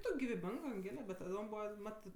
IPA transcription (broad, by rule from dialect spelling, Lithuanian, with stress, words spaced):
ˈtoːkʲ ɡʲɪʋʲɪˈbʲɪŋk ɐŋʲˈɡʲeːlʲɛ bʲɛt tɐˈdoːm ˈbuːʋɐ ˈmɑːtɜ